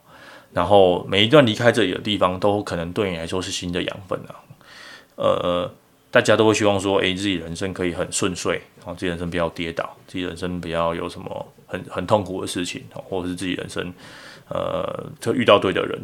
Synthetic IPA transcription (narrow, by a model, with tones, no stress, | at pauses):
na˧˦nxo˥˧ʊme˨˩ɪi˧˥t̪wa˥˨nli˧˥kʰa˥ɪʈ͡ʂɤ˥˩li˨˩d̪ə̰˦t̪̬i˥˩fɑ˧˩ŋt̪o˥ʊkʰɤ˨˩nə˧˦ŋt̪we˥˩ɪy˨˩la˧ɪʂwɔ˥ʂɻ̩˥˩ɕi˥nd̪ə˨jɑ̰˧˥ŋfə̰˥˩na˨˩ | ə̰˨˩ | t̪a˥˧˩t͡ɕja˥t̪o˥ʊxwe˥˩ɕy˥wɑ˥˩ŋs̬wɔ˥ʔḛ˥˧ɪt͡sɹ̩˥˩t͡ɕi˨˩ɻə˧˦nʂə˥ŋkʰɤ˧˥i˨˩xə˨˩nswə˥˧nswe˥˩ɪ˥˨˧t͡s̩˥˩i˨˩ə˧˦nʂ̬ə˦ŋpi˨˩t͡ɕja˥˩ʊt̪jɛ˥t̪ɑ˨˩˦ʊ˥˩t͡ɕi˨˩ɻə̰˧˦nʂə˦ŋpi˨˩t͡ɕɑ˥˩ʊjo̰˨˩ʊʂə˧˦nmə̰˧ | xə˨˩nxə˨˩nt̪ʰo˥˨˩ŋkʰu˨˩d̪ə̰˦ʂɻ̩˥˩t͡ɕʰḭ˨˩˦nhɔ̰˨˩xwɔ˥˩ʈ͡ʂə˨ʂɻ̩˥˧t͡sɹ̩˥˩t͡ɕḭ˨˩ɻə̰˧˥nʂə̰˥ŋə̰˨˩t̪ʰə˥˧y˥˧t̪ɑ˥˧ʊt̪we˥˩ɪd̪ə̰˨˩ɻə̰˧˦n